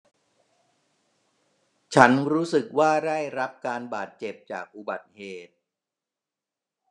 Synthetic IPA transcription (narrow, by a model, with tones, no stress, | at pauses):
t͡ɕʰa˦˥nɾuː˦˥sɯ˨˩k̚waː˥˩da˥˩jɾa˦˥p̚kaː˧nbaː˨˩t̪̚t͡ɕe˨˩p̚t͡ɕa̰ː˨˩k̚ʔu˨˩ba˨˩t̪̚heː˨˩t̪̚